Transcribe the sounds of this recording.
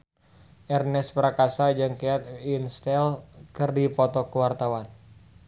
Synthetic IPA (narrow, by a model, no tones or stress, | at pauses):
ʔɛrnɛspəɾakasad͡ʒɨŋkeat̪̚inst̪ɛlkɨrdipɔt̪ɔkuwart̪awan